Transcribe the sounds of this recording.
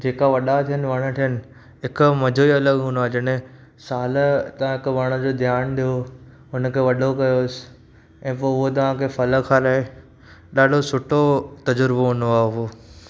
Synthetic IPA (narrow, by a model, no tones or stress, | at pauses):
d͡ʑeːkaʋɐɗat̪ʰijənɪ̆ʋɐɽ̃ə̆t̪ʰijənɪ̆ | ɦɪkʊmɐd͡ʑʱoiɐləɠɦũnd̪aːɦd͡ʑɐɽ | saːlt̪ɐʋãɦɪkʋɐɽ̃ə̆d͡ʑoːd̪ʱjaːnɗ̪ijo | ɦʊnkʰeːʋɐɗokɐjosɪ̥ | ɛ̃ːp̬oːʊɦot̪̬ɐʋ̤ãkʰeːfɐlə̆kʰaːɾaːe | ɗaːɖʱosʊʈot̪ɐd͡ʑʊɾboɦũnd̪oaːɦeʊɦoː